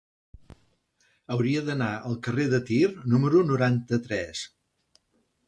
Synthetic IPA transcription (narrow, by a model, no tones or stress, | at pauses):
əwɾiəðənaʔəlˠkəreðət̪irnuməɾunuɾant̪ət̪ɾɛs